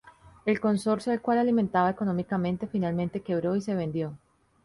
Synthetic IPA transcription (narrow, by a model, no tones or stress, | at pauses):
e̞lko̞nso̞ɾsjoalkwalalimẽnt̪aβaeko̞nõ̞mikamẽ̞nt̪e̞finalmẽnt̪e̞ke̞β̞ɾo̞ise̞βẽ̞nd̪jo̞